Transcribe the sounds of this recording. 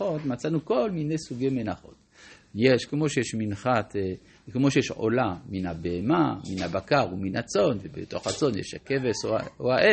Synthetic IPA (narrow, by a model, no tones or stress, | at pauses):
o̞t̪mat͡sanuko̞lmine̞jsuɡejmenaχo̞̰t̪ | jeʃkemo̞ʃejɛʃminχat̪ | kemoʃejeʃʕo̰laminabeemaminhabakaʁuminat͡so̞nvebḛt̪o̞̰χat͡so̞njḛʃha̰kevesooaʔe